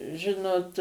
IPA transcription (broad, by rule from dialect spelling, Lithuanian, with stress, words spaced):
ˈʒʲɪnoːt